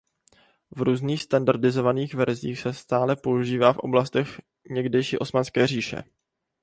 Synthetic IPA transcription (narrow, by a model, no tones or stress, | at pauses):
vɾuːzniːxst̪andaɾdɪzo̞vaniːxvɛɾziːxsɛst̪aːlɛpo̞uʒiːvaːfʔo̞̰blast̪ɛx | ɲɛɡdɛjʃiːʔo̞smanskɛːr̝iːʃɛ̰